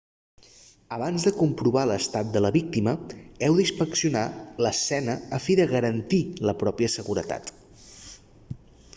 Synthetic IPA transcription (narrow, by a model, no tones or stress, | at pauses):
əβanzðəkumpɾuβaləst̪at̪̚d̪ələβik̚t̪iməɛwðispəksiunaləsɛnəəfiðəɣəɾənt̪iləpɾɔpiəsəɣuɾət̪a̰t̪